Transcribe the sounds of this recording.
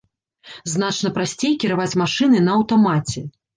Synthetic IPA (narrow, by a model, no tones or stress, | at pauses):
znat͡ʂnɐpɾasʲt͡sʲejkʲiɾavat͡sʲmaʂɨnɨnɐːwt̪amat͡sʲɛ